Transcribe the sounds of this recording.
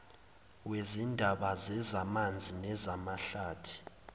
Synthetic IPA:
wezindʱaɓazɛzamand͡zʱinɛzamaɬaːtʰi̥

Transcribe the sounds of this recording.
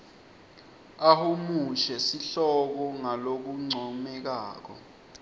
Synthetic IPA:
ahumuʃɛsiɬɔk̬ɔŋalok̬uŋ͡ǀʱɔmɛk̬aːk̬ɔ̰

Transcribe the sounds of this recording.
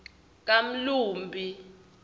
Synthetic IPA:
k̬am̩luːmbʱi

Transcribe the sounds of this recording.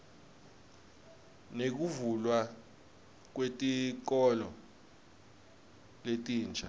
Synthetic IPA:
nek̬uvulwa | k̬wetʼik̬ɔlɔ | letʼiːnt͡ʃa

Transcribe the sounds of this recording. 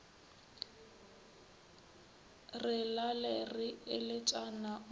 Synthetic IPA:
rɪlalerɪɪlɪt͡ʃʼana

